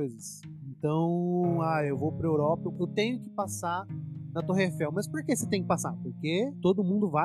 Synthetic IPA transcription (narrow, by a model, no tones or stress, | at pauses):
ojzɐsẽnt̪ɐ̃w̃aewvowpɾɐewɾɔpɐewt̪ẽɲʊkɪ̥pasanɐt̪oɦefɛwmɐspoɾkeset̪ẽj̃kɪpasapoɾket̪od̪ʊmũnd̪ʊva